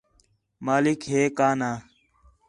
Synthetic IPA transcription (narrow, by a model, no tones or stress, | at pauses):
maːlɪkɦeːkaːnaː